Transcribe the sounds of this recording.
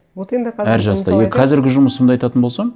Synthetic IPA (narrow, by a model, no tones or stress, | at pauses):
æɾʒɑst̪ɑjeqʰɑzɪɾɡʲɪʒʊməsəmd̪ɑjt̪ɑt̪ənbo̞lsɑm